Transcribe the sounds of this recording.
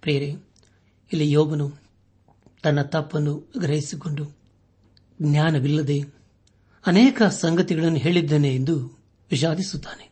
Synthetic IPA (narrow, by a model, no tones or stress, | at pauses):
pɾijɐɾe | ilːijɔːbɐnu | t̪ɐnːɐt̪ɐpːɐnːuɡɾɐɦisiko̞ɳɖu | ɡnjaːnɐʋilːɐd̪e̞ | ɐnɛːkɐsɐŋɡɐt̪iɡɐɭɐnːuɦe̞ːɭid̪ːɐːneːnd̪u | ʋiʃ̬aːd̪isut̪ːḁːne